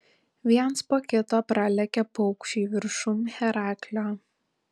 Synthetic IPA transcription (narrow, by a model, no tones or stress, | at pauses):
ʋʲiɛnspoːkʲɪt̪oːpɾɑlʲɛkʲɛpɔʊkʃʲiːʋʲɪɾʃʊmxʲɛɾɑːkʲlʲoː